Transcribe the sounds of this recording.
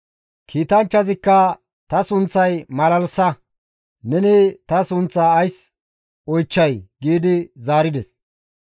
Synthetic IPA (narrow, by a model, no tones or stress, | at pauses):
kʰiːt̪ɐnt͡ʃːɐzɪkːɐ | t̪ɐsʊnt͡sːɐjmɐlɐlsɐ | nɛnɪt̪ɐsʊnt͡sːaːjs | ɔjt͡ʃːɐjɡiːd̪ɪzaːɾɪd̪ɛs